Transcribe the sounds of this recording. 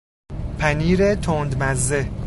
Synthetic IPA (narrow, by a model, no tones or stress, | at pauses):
pʰæniːɾet̪ʰond̪mæzːe